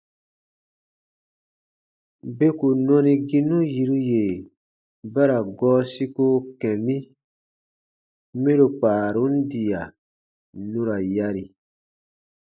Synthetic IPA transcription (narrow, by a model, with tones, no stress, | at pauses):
be˦ku˨nɔ̃˦ni˦ɡi˦nũ˦ji˨ɾu˦je˨ | ba˦ɾa˨ɡɔː˦si˦ko˦kɛ̃˨mĩ˦ | mẽ˦ɾo˨k͡paː˨ɾu˦n̩˦di˨a˨ | nũ˦ɾa˨ja˦ɾi˨